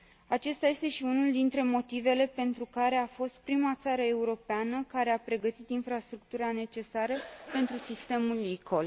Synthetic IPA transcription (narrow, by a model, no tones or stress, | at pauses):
at͡ʃest̪aje̞st̪e̞ʃiunuld̪int̪ɾe̞mo̞t̪ive̞le̞pe̞nt̪ɾukaɾe̞afo̞st̪̚pɾimat̪saɾəe̞uɾo̞peanəkaɾe̞apɾe̞ɡət̪it̪infɾast̪ɾuk̚t̪uɾane̞t͡ʃe̞saɾəpe̞nt̪ɾusist̪e̞mulːikʰo̞l